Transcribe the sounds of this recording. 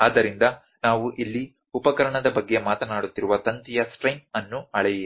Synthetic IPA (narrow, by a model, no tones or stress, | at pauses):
aːd̪ɐɾind̪ɐ | naːʋuʔilːi | upɐkɐɾɐɳɐd̪ɐbɐɡːe̞maːt̪ɐnaːɽut̪ːiɾuʋɐt̪ɐnt̪ijɐsʈɾɐjnɐnːuɐɭɛjeː